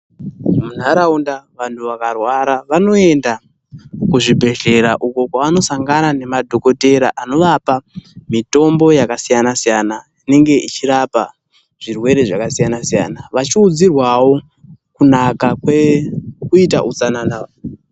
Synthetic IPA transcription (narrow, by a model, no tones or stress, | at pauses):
mun̤aɾaundaʋantʰuʋakarwaɾaʋano̞e̞nda | kuʐibʱe̞ɮe̞ɾaʔuko̞kwaano̞saŋɡanane̞madʱo̞ko̞te̞ɾaʔano̞ʋapamito̞mbo̞jakasijanasijana | ine̞ŋɡe̞ʔit͡ʃiɾapa | ʐ̥irwe̞ɾe̞ʐakasijanasija̰naʋat͡ʃiud͡zirwawo̞ | kunakakwekuita̰ʔut͡sanana